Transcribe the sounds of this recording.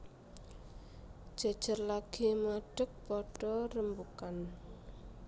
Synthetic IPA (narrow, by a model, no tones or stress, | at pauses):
ʒ̥a̤d̥ʒ̥ə̤rlaɡ̥imaɖ̥ə̤k̚pɔɖ̥ɔrəmbukan